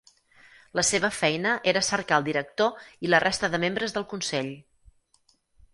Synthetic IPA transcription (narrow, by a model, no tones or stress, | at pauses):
ləseβ̞əfɛjnəʔeɾəsəɾkaəlˠd̪iɾək̚t̪oilərʔest̪əðəmembɾəzðəlˠkunsɛʎ